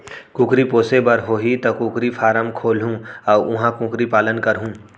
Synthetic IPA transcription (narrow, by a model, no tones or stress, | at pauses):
kũːkɾipoːsebɐɾɦoːɦit̪ɐkũːkɾifʰaːɾəmkʰoːlɦũɔːʊɦãkũːkɾipaːlənkɐɾɦũː